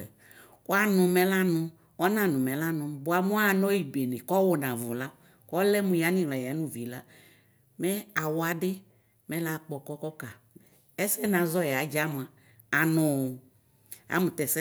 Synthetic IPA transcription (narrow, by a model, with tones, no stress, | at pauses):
ko˦a˦nʊ̃˨mɛ˦la˦nʊ̃˦ | ɔ˦nã˨nʊ̃˨mɛ˨la˦nʊ̃˨bʊ˨a˨mu˦a˦˨nɔ˦ji˨be˨ne˨kɔ˦wo˨nã˨vʊ̰˨la˦ | kɔ˦lɛ˦mũ˨ja˦nĩ˦˨la˨ja˨˦nũ˦vi˨la˦ | mɛ˦a˨wa˨dɪ˦ | mɛ̃˦la˦˨k͡pɔ˨kɔ˦kɔ˦ka˨ | ɛ˦sɛ˦nã˨zɔ˦ja˨˦d͡ʒa˦m˨a˨ | a˨nʊ̃˨ | a̰˨˦mũ˨t̪ɛ˨sɛ˦